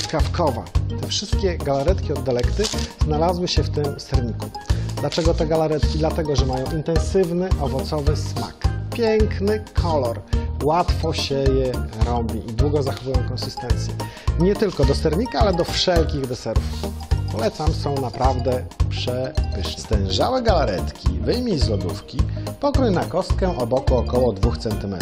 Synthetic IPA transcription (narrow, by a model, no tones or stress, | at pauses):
skafkɔva̰t̪ɛfʂɘst̪̚kʲɛɡalaɾɛt̪kʲiɔd̪ːɛlɛkt̪ɘznalazwɘɕɛft̪ɘmst̪ɛɾɲikud̪lat͡ʂɛɡɔt̪ɛɡalaɾɛt̪kʲid̪lat̪ɛɡɔʐɛmajɔ̃w̃int̪ɛ̃nsɘvnɘʔɔvɔt̪sɔvɘsma̰kpʲjɛŋknɘkʰɔlɔɾwat̪fɔɕɛjɛɾɔbʲiʔid̪wuɡɔzaxɔvujɔ̃w̃kɔnsɘst̪ɛnt̪sʲjɛ | ɲɛt̪ɘlkɔd̪ɔst̪ɛɾɲikaalɛd̪ɔfʂɛlkʲiɣd̪ɛsɛɾufpɔlɛt̪samsɔ̃w̃napɾavd̪ɛpʂɛpɘʂst̪ɛ̃w̃ʐawɛɡalaɾɛt̪kʲḭvɘjmʲizlɔd̪ufkʲipɔkɾujnakɔst̪̚kɛʔɔbɔkuːkɔwɔd̪vuxt̪sɛnt̪ɘmɛ̰t̪